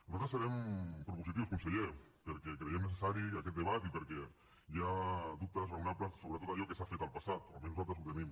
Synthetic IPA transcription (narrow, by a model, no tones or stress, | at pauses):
nuzat̪ɾəsəɾɛmpɾupuzit̪̬iwskunseʎe | pəɾkɛkɾejemnes̬esaɾiakɛt̪̚d̪eβat̪ipəɾkɛ | ʒad̪up̚t̪əzreunapləsoβɾət̪ot̪aʎɔkesafet̪alˠpasat̪oa̰mẽsnuzat̪ɾsut̪enim